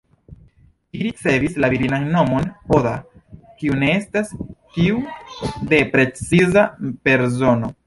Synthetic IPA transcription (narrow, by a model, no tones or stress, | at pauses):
iɾit͡se̞vislaviɾinanːo̞mo̞no̞da | kiune̞e̞stastiude̞pɾe̞t͡sizape̞ɾzo̞no̞